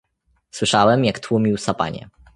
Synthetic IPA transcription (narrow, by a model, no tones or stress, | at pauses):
swɘʂawɛmjakt̪wumʲiwsapa̰ɲɛ̰